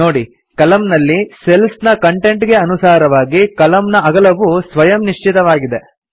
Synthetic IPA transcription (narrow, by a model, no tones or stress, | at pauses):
o̞ːɽi | kɐlɐmnɐlːiselsnɐkɐɳʈe̞ɳʈɡe̞ɐnusaːɾɐʋaːɡikɐlɐmnɐɐɡɐlɐʋusʋɐjɐmniʂt͡ʃit̪ɐʋaːɡid̪e̞